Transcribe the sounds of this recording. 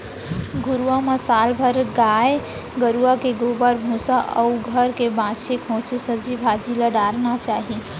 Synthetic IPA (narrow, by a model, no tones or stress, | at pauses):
ɡuɾuʋaməsalbʱəɾɡaj | ɡəɾuakeɡobəɾbʱũsaʔə̰uɡʱəɾkebãt͡ʃʰekʰõt͡ʃesəd͡ʒibʱad̪iləɽaɾnat͡ʃaɦi